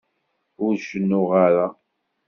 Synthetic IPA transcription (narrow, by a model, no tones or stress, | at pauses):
ʊɾʃənːʊʁaɾa